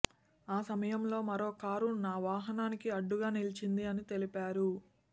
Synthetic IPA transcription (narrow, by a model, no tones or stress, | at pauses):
aːsɐmɐjɐmlo̞ːmɐɾo̞ːkaːɾunaːʋaːɦɐnaːnikiɐɖːuɡaːnilit͡ʃind̪iɐnit̪e̞lipaːɾu